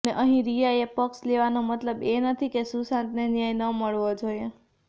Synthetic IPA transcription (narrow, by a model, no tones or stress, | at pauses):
neʔəɦĩɾijaepəksleʋanomət̪ləbenət̪ʰikesusãt̪nenjajnəməɭʋod͡ʒoje